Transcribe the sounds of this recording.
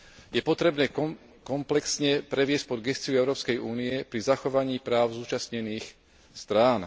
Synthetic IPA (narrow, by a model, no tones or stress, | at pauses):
jɛpɔt̪ɾɛbnɛː | kɔmplɛksɲɛpɾɛʋɪɛsc̚pɔd̪ɡɛst͡siuɛʊɾɔːpskɛjuːniɛpɾizaxɔʋaɲiːpɾaːʊzuːt͡ʃasɲɛniːx | st̪ɾaːn